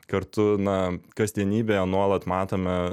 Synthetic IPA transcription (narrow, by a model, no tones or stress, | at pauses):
kɐɾt̪ʊnɐkɐsʲd̪ʲiɛnʲiːbʲeːjɛnuɔlˠɐt̪mɑːt̪oːmʲɛ